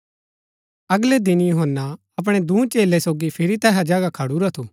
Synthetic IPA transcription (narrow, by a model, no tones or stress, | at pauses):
ɐɡled̪ɪnjuɦənːa | ɐp̬ɽ̃ed̪ũːt͡ʃeːlesoːɡipʰɪɾit̪ɛːɦad͡ʒaːɡakʰɐɽuɾat̪ʰoː